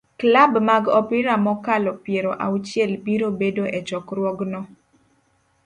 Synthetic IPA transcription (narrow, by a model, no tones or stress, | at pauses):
klabmaɡɔpɪɾamɔkalɔpjeɾoʔa̰ut͡ʃjɛlbiɾobedoʔɛt͡ʃɔkɾwɔɡnɔ